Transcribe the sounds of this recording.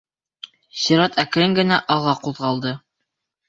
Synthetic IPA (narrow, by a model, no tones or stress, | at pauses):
siɾɑt̪ʰækɾɘŋɡɘ̆næʔɑʁˠɑquðʁɑlˠd̪ɤ